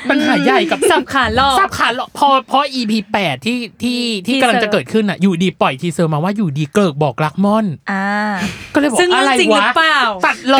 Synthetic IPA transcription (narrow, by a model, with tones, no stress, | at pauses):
pa˧nɦaː˨˩˦ja˨˩jka˨˩p̚sa˨˧˩p̚kʰaː˨˩˦nlɔː˥˩sa˨˦p̚kʰaː˨˦nlɔ˧˩pʰɔ˧pʰɔ˧˥ʔiː˧pʰiː˧pɛː˨˩t̪ʰːiː˥˩t̪ʰiː˥˩t̪ʰiː˥˩kmla˧t͡ɕa˨˩kɤː˨˩t̪̚kʰɯ˥˩nʔa˨˩juː˨˩diː˧pɔ˨˩jt̪ʰiː˧sɤː˧maː˧waː˥˩juː˨˩diː˧klɤː˨˩k̚bɔː˨˩k̚ɾa˦˥k̚mɔ˥˩nʔaː˧˩kɔː˥˩lɤː˧jbsɯ˥˩ŋ˨ʔɾa˧jt͡ɕi˧˩waɯ˦˥paː˨˩˨wfa˨˩t̪̚lɔ˧